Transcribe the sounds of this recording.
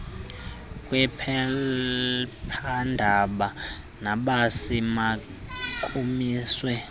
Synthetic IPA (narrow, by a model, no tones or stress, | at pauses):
kʼwɛpʰɛ | pʰandʱaɓa | naɓasima | kʼumiːswɛ